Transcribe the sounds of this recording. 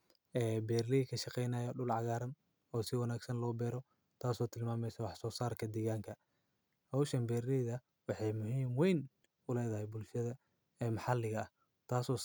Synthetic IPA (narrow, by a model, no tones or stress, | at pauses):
ɛːbɛːrlɪkʰɐʃɑqɛjnɐːjɐɖʊlʕɑɣaːɾɐm | ɔːsɪwɑnaːɡsɐnlɔːbɛːɾɔ | t̪ʰaːsɔːt̪ʰɪlmaːmɛjsɐwɑħsɔːsaːrkʰɐd̪ɛːɣaːŋkʰɐ | hɐwʃɐmbɛːrlɛðɐ | wɑħɑjmʊhiːmwɛjn | ʊlɛːðɐhɛjbʊlʃɐðɐ | ɛːmɑħɑlːɪɣɐɐh | t̪ʰaːsɔː